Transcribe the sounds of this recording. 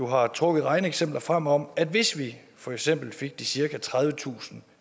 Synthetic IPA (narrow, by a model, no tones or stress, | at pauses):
duɦɑ̈t͡sʰʁɔ̽ɡ̥ð̩ˠɑ̈ɪnəeɡ̥sem̰b̥lɐfʁam̰ɒ̽m̰æd̥ʋe̝sʋi | fɒ̽eɡ̥sem̰b̥l̩fe̝ɡ̥̚d̥isiɐkæt͡sʰʁað̞ˠʋət͡sʰṵːsn̩